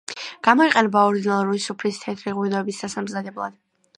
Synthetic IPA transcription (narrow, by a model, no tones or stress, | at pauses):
ɡ̥amɔiqʼɛnɛbaɔɾd̪inalˠuɾuisupʰlist̪ʰɛt̪ʰɾiʁwinɔɛbisd̪̥asamzad̪ɛblˠa̰d̪̥